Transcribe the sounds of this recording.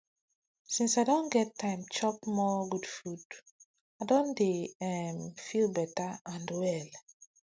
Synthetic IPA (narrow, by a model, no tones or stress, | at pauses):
sĩnsaɪdɔ̃nɡɛtʰːãɪ̃mt͡ʃɔkmɔɡudfud | adõndeɛmfilbɛtaãndwɛl